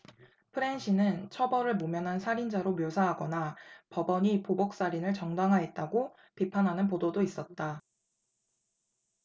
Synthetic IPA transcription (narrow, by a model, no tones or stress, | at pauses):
pʰɯɾe̞nɕʰinɯnt͡ɕʰʌbʌɾɯɭmomjʌnɦansʰaɾind͡ʑaɾomjosʰaɦaɡʌnapʌbʌɲipobok̚s͈aɾinɯɭt͡ɕʌŋdaŋɦaɦe̞t̚t͈aɡo | pipʰanɦanɯnpododois͈ʌt̚t͈a